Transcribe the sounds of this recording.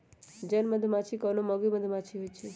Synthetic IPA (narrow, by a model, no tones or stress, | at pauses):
d͡ʒənməd̪ʱmat͡ʃʰikɔnomɔɡiməd̪ʱmat͡ʃʰiɦojt͡ʃʰe